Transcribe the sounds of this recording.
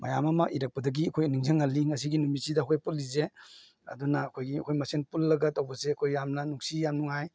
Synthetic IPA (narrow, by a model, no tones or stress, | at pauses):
mɐjamɐmɐʔiɾɐk̚pɐdɐɡiɐkʰojniŋzɐŋaliŋɐsiɡinumisidɐːkʰojpulːize | ɐ̰dunɐːkʰojɡiɐ̰kʰojmɐsenpulːɐɡɐtːawbɐseɐkʰojːamnɐnuŋsijamnuŋhaj